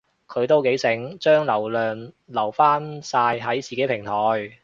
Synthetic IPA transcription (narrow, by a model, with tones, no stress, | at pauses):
kʰɵ˨˧ɥt̪o˥wke˨˥jsɪ˨˥ŋt͡ʃœː˥ŋlɐ˨˩wlœː˨n | lɐ˨˩wfaː˥nsaː˧jɦɐ˨˥jt͡siː˨ke˨˥jpʰɪ˨˩ŋt̪ʰɔː˨j